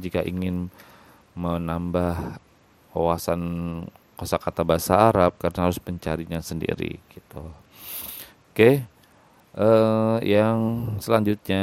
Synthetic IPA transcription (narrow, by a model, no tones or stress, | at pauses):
d͡ʒikaʔiŋɪn | mənambah | owasankosakat̪abaɦasaːɾap̚kaɾənahaɾʊspəɲt͡ʃaɾiɲasəndḭɾḭɡ̥it̪u | ke | ʔəjaŋsəlaɲd͡ʒut̪̚ɲa